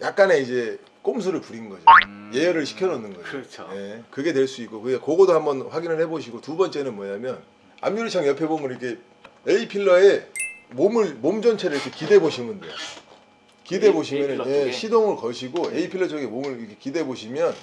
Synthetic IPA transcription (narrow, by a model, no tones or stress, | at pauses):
jak̚k͈ane̞id͡ʑe̞ | k͈oms̬ʰɯɾɯɭpuɾinɡʌd͡ʑoje̞jʌɾɯɭɕʰi̥kʰjʌɾʌnːɯnɡʌd͡ʑoe̞kɯɡe̞dwe̞ɭs͈uik͈okɯiakoɡodohambʌnɸwaɡinɯɭhe̞boɕʰiɡotubʌnt͡ɕ͈e̞nɯnmwʌɲamjʌn | a̰mɲuɾɯt͡ɕʰʌŋjʌpʰebomɯniikʰe̞ | eipʰiɭːʌe̞momɯɭmomd͡ʑʌnt͡ɕʰeɾɯɾikʰe̞kide̞boɕʰimɯndejo̰ | kide̞boɕʰimjʌnɯnjeɕʰidoŋɯɭkʌɕʰiɡoe̞ipʰiɭːʌt͡ɕʰʌɡe̞momɯɭikʰekide̞boɕʰimjʌn